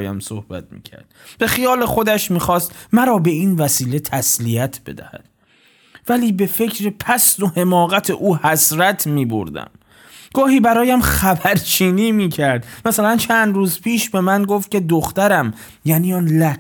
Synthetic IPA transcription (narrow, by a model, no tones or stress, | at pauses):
jæ̰mso̰hb̥æ̰t̪̚mḭːcʰæ̰ɾd̪̥̚b̥e̞χijɒːle̞χo̞d̪æʃmiːxɒːst̪mæɾɒːbe̞iːnvæsiːle̞t̪ʰæsliæt̪ʰbe̞̰d̪æ̰hæ̰d̪̥ | væliːbe̞fe̞cʰɾepʰæsd̪o̞he̞mɒːɣæt̪ʰeʔuːhæsɾæt̪ʰmiːbo̰ɾd̪æ̰m | ɡ̥ɒːhiːbæɾɒːjæmχæbæɾt͡ʃʰiːniːmiːcʰæɾd̪mæsælænt͡ʃʰænd̪ɾuːzpʰiːʃbe̞mænɡoft̪̚cʲe̞d̪oxt̪æɾæm | jæniːɒːnlæ